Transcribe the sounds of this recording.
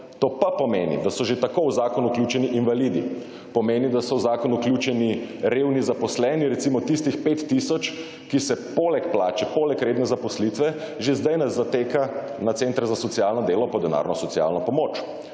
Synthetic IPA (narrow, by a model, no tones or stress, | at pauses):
t̪oːpapɔmeːnḭd̪asɔʒet̪akowzaːkɔnuuklʲjuːt͡ʃɛniʔinʋalid̪ḭ | pɔmeːnid̪asɔwzaːkɔnuklʲjut͡ʃɛniɾewnizapɔslɛːniɾɛt̪simɔt̪ist̪ixpeːt̪ːisɔt͡ʃ | kisɛpoːlɛkplaːt͡ʃɛpoːlɛkɾeːd̪nɛzapɔslit̪ʋɛ | ʒezd̪ajnazat̪eːkanat̪seːnt̪ɾɛzasɔt̪sijalnɔd̪eːlɔpɔd̪ɛna̰ːɾnɔsɔt̪sia̰lnɔpɔmoːt͡ʃ